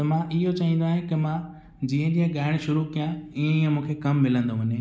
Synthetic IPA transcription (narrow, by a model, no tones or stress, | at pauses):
t̪ɐmãʔɪɦot͡ɕaːĩnd̪oaːɦẽkɪmãː | d͡ʑiːə̃d͡ʑijə̃ɠaːɪɽ̃ʃʊɾukijãiẽiːə̃mũːkʰekɐmːɪlə̃nd̪oʋɐɲẽ